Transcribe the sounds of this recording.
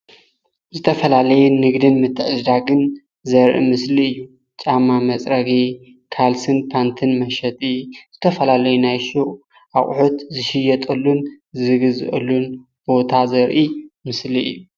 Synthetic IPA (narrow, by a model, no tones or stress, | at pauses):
zɨt̪ʰɐfɐlalɐjɛnɨɡd̪ɨnmɨt̪ʰːɨʕɨzd̪aɡɨn | zɐɾʔḭmɨsliɨjːu | t͡ʃʼamːamɐt͡sʼɾɐɡi | kʰalsɨnpʰant̪ʰɨnmɐʃɐt̪ʼiz̥ɨt̪ʰɐfɐlalɐjunajʃuʔ | ʔa̰χʼħot̪zɨʃɪjɐt̪ʼɐlːun | zɨɡɨzɨ̰ʔʼɐlːun | b̥o̞t̪ʰazɐɾʔimɨsliɨ̰jːu